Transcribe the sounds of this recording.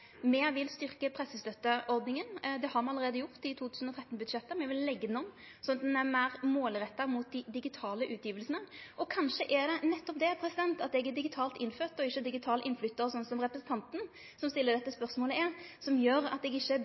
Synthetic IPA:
mɛʋɪlst̪ʏʁkəpʰɾɛsːəst̪œt̪ːəʔɔɾd̪nɪŋənd̪ɛhɑɾmɛɑlːəɾeːd̪əjʊɾt̪ɪt̪ʰuːt̪ʰʉːsn̩ɔt̪ʰɾɛt̪ːnbʉd̪ʂɛt̪ːəmɛʋɪlːɛɡːəd̪nɔm | sɔnɑt̪nɛmæɾmoːlɾɛt̪ːɑmuːt̪̚d̪ɪd̪ɪɡɪt̪ʰɑːləʔʉːt̪jiːʋəlsənəʔɔkʰɑnʂəʔɛd̪ɛnɛt̪ːɔp̚d̪ɛpʰɾɛsɪd̪ɛnt̪ɑt̪ɛɡɛd̪ɪɡɪt̪ʰɑːlt̪ɪnːføːt̪ɔɪçːəd̪ɪɡɪt̪ʰɑːləʔɪnːflʏt̪ːəɾɔsɔnsɔmɾɛpɾəsn̩t̪ɑnt̪n̩ | sɔmst̪ɪlːəɾd̪ɛt̪ːəspœʁsmoːləɪsɔmjøːɾɑ̰t̪ɛɡɪçːə

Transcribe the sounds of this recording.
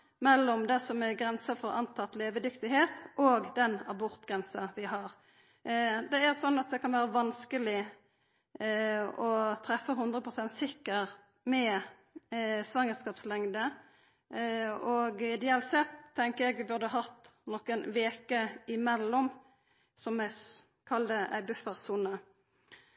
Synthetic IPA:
mɛlːɔmd̪ɛsɔmɛɡɾɛnsəfɔɾɑnt̪ʰɑt̪leːʋəd̪ʏkt̪ɪɦeːt̪ʔoɡd̪ɛnɑbɔʁt̪ɡʁɛnsɑʋɪɦɑʁ | d̪ɛæʁsɔnːɑt̪̚d̪ɛkʰɑnʋæːɾəʋɑnskəlɪ | ɔt̪ʰɾɛfːəɦʊnd̪ɾʁəpʰʁʊsɛnt̪sɪkːəʁ | mɛ | sʋɑŋəskɑːpslɛŋd̪ə | ɔɡɪd̪ɛɑːlt̪sɛt̪ʰt̪ːɛŋkəɛɡʋɪbʉɾd̪ʉɑɦɑt̪ːnɔkənʋeːkəɪmɛlːɔm | sɔmːæ | kʰɑld̪əʔæ̰ɪbʉfəʁsuːnə

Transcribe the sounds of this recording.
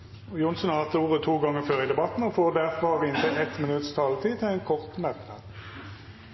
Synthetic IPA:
ojʊnsn̩ɑːt̪əuːʁət̪ʰuːɡɑŋəføːʁiːd̪ɛbɑt̪n̩oːfoːʁd̪æʁfɔɑʋɪnt̪ʰɛɛt̪mɪnʉt̪st̪ʰɑːlət̪ʰiːt̪ʰɪeːnkʰɔʁt̪mɛt̪nɑd̪

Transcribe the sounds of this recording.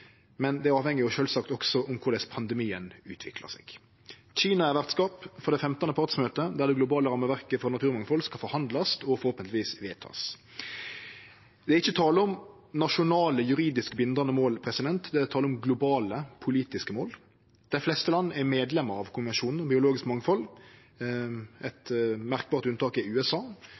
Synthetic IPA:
mɛnd̪ɛæɾɑːʋhɛŋːɪɔʃøːlsɑkt̪ɔksɔʔʊmkʰʊɾd̪ɛspʰɑnd̪ɛmiːənʉ̰ːt̪ʰʋɪkʰlə̰sɛ̰ɡ̥ | c͡çiːnɑæɾʋæʁt̪skɑːpfɔʁd̪ɛfɛmt̪ɑnəpʰɑʁt̪smøːt̪əd̪æɾd̪ɛɡlʊbɑːləɾɑmːəʋæɾkəfɾɑnɑt̪ʰʉːʁɾmɑŋfɔlskɑfɔɾhɑnd̪lɑsɔfɔɾhoːpənət̪ɪʋiːsʋeːt̪ʰɑ̰ːs | d̪̥ɛɾɪçːət̪ʰɑːləɔm | nɑʂʊnɑːləjʉɾiːd̪ɪskəbɪnd̪ɑnəmoːlpʰɾɛsɪd̪ɛnt̪d̪ɛæt̪ʰɑːləɔmɡlʊbɑːləpʰʊliːt̪ɪskəmoːl | d̪̥æɪflɛst̪əlɑnːəæɾmeːd̪lɛmːəɾɑʋkʰʊmmɛnʂuːnn̩ɔbɪʊloːɡɪskmɑŋfɔl | ɛt̪mæʁk̚bɑːʁt̪ʉnt̪ɑːkɪʉːɛsɑː

